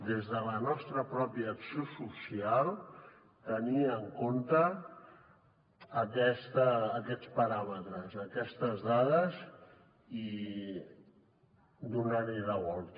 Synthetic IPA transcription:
d̪ezðələnɔst̪ɾəpɾɔpiəːksiosusialˠ | t̪əniəŋkont̪ə | kɛst̪əːkɛt͡spəɾamət̪ɾəzəkɛst̪əzðað̞əz | i | d̪unaɾiləɣɔlˠt̪

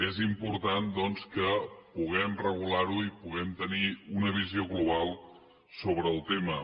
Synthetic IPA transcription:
ezimpuɾt̪and̪ɔnskəpuɣ̞ɛmrəɣ̞ulaɾuipuɣɛmt̪əniunəβ̞izioɣluβ̞alˠ | soβɾəːlˠt̪emə

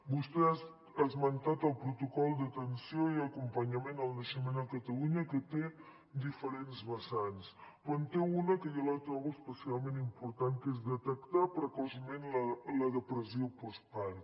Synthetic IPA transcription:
bust̪ɛ | azmənt̪at̪əlˠpɾut̪ukɔlˠd̪ət̪ənsioiəkumpəɲəmenəlˠnəʃəmenəkət̪əluɲəkət̪e | d̪ifəɾenzβəsanskənt̪eunəkəjolat̪ɾɔɣuəspəsialˠmẽnimpuɾt̪ankezd̪ət̪əkt̪apɾəkɔzəmenlələðəpɾəsiopɔspaɾ

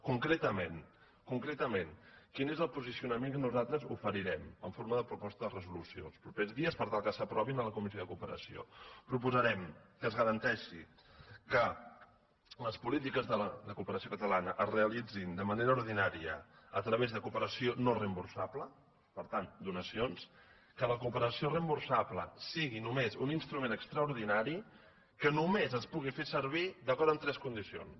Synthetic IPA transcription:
kuŋkɾet̪əmen | kuŋkɾɛt̪əmenkinezəlˠpuzisiunəmeŋkənuzalˠt̪ɾəzufəɾiɾɛməɱfoɾməðəpɾupɔst̪əðərəzulusiolˠspɾupezðiəspəɾt̪alˠkəsəpɾɔβinələkumizoðəkupəɾə̰sio̰pɾupuzəɾɛmkəzɣəɾənt̪ɛʃi | kə | ləspulit̪ikəzðələd̪əkupəɾəsiokət̪əlanəʔəzreəlid͡zind̪əməneɾəuɾð̞inaɾiə̰ | ət̪ɾəβezðəkupəɾəsionorəmbuɾsablə | pəɾt̪and̪unəsions | kələkupəɾəsiorəmbuɾsapləsiɣinumezuninst̪ɾumenəkst̪ɾəuɾðinaɾi | kənumezəspuɣifesəɾβ̞id̪əkɔɾt̪ənt̪ɾɛskund̪isio̰ns

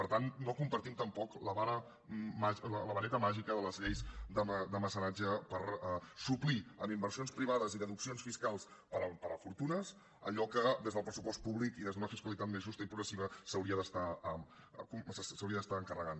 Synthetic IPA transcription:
pəɾt̪annokumpəɾt̪imt̪əmpɔkləβaɾə | maʒlələβəɾɛt̪əmaʒikəðələzʎejzd̪əməd̪əməsənad͡ʒəpəɾəsupliəmimbərsionspɾiβ̞aðəziðəðuksionsfiskalˠspəɾəpəɾəfuɾt̪unəs | əʎɔkəd̪ezðəlˠpɾəsupɔst̪̚puβlikiðezðunəfiskwəlit̪at̪mezʒust̪əipɾuɣɾəsiβəsəwɾiəðəst̪aəm | kusssəwɾiəðəst̪aəŋkərəɣan

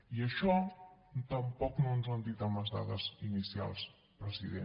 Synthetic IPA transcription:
iəʃɔt̪əmpɔknonzənd̪it̪əməzða̰ðəzinisia̰lˠs | pɾəziðe

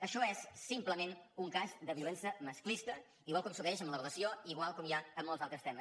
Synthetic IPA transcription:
əʃɔɛsːimpləmenuŋkaʃd̪əβiulɛnsəməsklist̪ə | iɣwalˠkɔmsuɣɛʃəmlərələsioiɣwalˠkɔmjaəmːɔlˠzalˠt̪ɾəst̪ɛməs

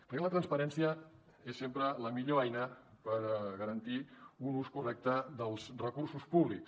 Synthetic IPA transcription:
pəɾkɛlət̪ɾənspəɾɛnsiə | esːempɾələmiʎoɛjnə | pəɾɣəɾənt̪iunuskurɛk̚t̪əðəlˠzrəkuɾsuspuβliks

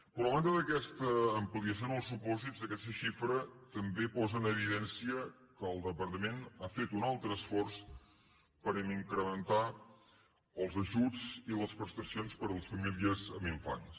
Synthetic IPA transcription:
pɾɔlant̪əðəkɛst̪əːmpliəs̬jonəlˠsːupɔzid͡zd̪əkɛst̪əʃifɾət̪əmbepɔzənəβiðɛnsiə | kəːlˠd̪əpəɾt̪əmenafet̪unalˠt̪ɾəːsfɔrs | pəɾimiŋkɾəmənt̪a | əlˠzəʒud͡ziləspɾəst̪ɾəsionspəɾələsfəmiliəzəmiɱfa̰ɲs

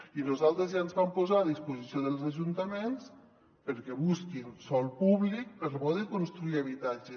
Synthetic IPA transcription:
inuzalˠt̪ɾezjaenzβampozaəðispuzisioðəlˠzaʒunt̪əmens | pəɾkɛβuskinsɔlˠpuβlik̚pəɾlmɔðikunst̪ɾuiəβ̞it̪ad͡ʒe

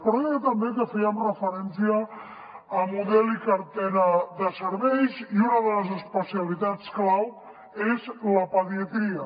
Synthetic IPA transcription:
pɾeat̪əmbekəfɛəmrəfəɾɛnsiəː | muðɛlikaɾt̪ɛɾəðəsəɾβɛjziunəðələzəspəsialit̪at͡sklaw | ezləpəðiət̪ɾiə

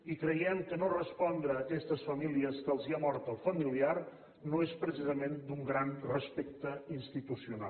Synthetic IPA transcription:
ikɾəjɛmkənorəspɔnd̪ɾəːkɛst̪əsfəmiliəskəlˠziamɔɾt̪əlˠfəmiliar | noespɾəsizəmend̪uŋɡɾanrəspek̚t̪əinst̪it̪usiuna̰

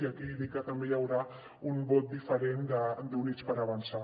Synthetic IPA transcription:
iakiðikat̪əmbejawɾa | umbot̪̚d̪ifəɾend̪əd̪unit͡ʃpəɾaβansa

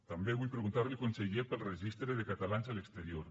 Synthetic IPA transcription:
t̪ambeβujpɾeɣunt̪aɾlikonseʝepelˠreʒist̪ɾeðekat̪alansalekst̪eɾjoɾ

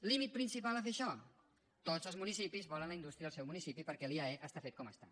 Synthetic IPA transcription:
limit̪̚pɾinsipalˠafeʃɔ | t̪od͡zzəlzmunisipizβɔlənləind̪ust̪ɾiəəlsɛwmunisipipəɾkɛliaeʔəst̪afet̪̚kɔməst̪a

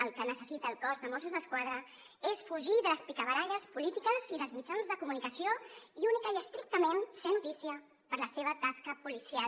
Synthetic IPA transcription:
əlˠkənəsəsit̪əːlˠkɔzðəmosuzðəskwað̞ɾə | esfuʒiðələspikəβəɾaʎəspulit̪ikəziðəlˠzmid͡ʒanzðəkumunikəsioiunikəiəst̪ɾik̚t̪əmensenːut̪isiə | pəɾləseβ̞ət̪askəpulisia

